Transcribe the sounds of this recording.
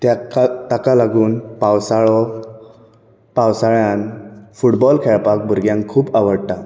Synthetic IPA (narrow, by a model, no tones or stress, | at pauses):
t̪t̪akalaɡuːnpawsaɭɔ | pawsaɭjanfuʈbɔlkʰɛɭpak̚bʱuɾɡjãŋkkʰːuːpaʋəɽt̪a